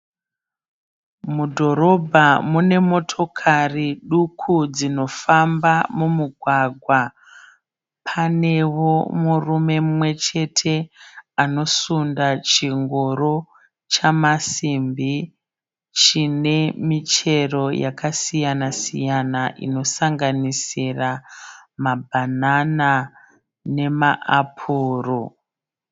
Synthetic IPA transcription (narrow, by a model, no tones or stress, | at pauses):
mudʱo̞ɾo̞bʱamune̞mo̞tʰo̞kʰariɗukʰud͡zino̞fambamumuɡʱwaɡʱwa | pʰane̞wo̞murume̞mmwe̞t͡ʃe̞tʰe̞ano̞sundat͡ʃiŋɡoro | t͡ʃamasimbi | t͡ʃine̞mit͡ʃe̞ro̞jakasijanasḭjanaʔḭno̞saŋɡanisiramabʱanana | ne̞maʔapʰuːro